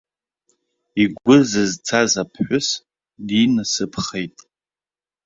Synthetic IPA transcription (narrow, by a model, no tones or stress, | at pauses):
iɡʷʊzɨzt͡sʰazapʰħʷʊs | dinɨsɨpʰχejtʼ